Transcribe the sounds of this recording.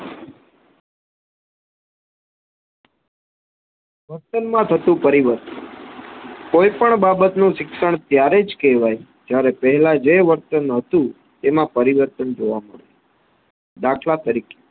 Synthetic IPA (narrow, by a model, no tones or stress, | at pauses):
ʋəɾt̪ənmãt̪ʰət̪ũpəɾiʋəɾt̪ən | koipəɳbabət̪nũʃɪkʃəɳt̪jaɾed͡ʒkɛʋaj | d͡ʒjaɾepəɦɛlad͡ʒeʋəɾt̪ənɦət̪ũ | t̪emãpəɾiʋəɾt̪ənd͡ʒoʋaməɭe | d̪akʰlat̪əɾike̥